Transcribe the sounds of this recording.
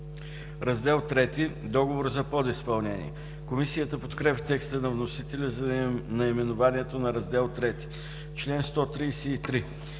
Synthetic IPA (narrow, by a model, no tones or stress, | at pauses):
ɾɐzd̪ɛlˠt̪ɾɛt̪id̪ɔɡovoɾzɐpɔd̪ispɐlˠnɛnḭɛ | komisijət̪əpot̪kɾɛpʲit̪ɛkst̪ənɐvnosit̪ɛlʲəzɐnɐimɛnovaniɛt̪onɐɾɐzd̪ɛlˠt̪ɾɛt̪i̥ | t͡ʃlɛnst̪ɔt̪ɾijsɛit̪ɾi